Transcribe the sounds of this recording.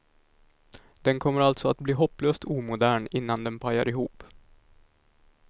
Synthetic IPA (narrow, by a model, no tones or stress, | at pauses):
d̪̥ɛnkʰɔmːəɾalt̪sɔat̪̚bliːɦɔpːløːst̪uːmʊd̪æːɳɪnːand̪ɛnpʰaja̰ɾɪɦuːp